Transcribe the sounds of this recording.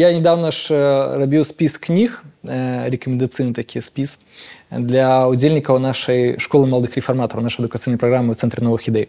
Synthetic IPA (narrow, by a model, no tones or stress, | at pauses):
janʲɛd̪awnɐʂrabʲiwsʲpʲisknʲix | ɾʲɛkɐmʲɪnd̪at̪sɨjnɨt̪akʲijɛsʲpʲis | d̪lʲɐud͡zʲelʲnʲikɐwnaʂɐjʂkɔlˠɨmɐlˠɐd̪ɨxɾʲɛfarmat̪ɔɾɐwnaʂɨjɐd̪ʊkɐt̪sɨjnɐjpɾaɣɾamːɨwt̪sɛnt̪ɾʲɛnɔvɨxid̪ɛj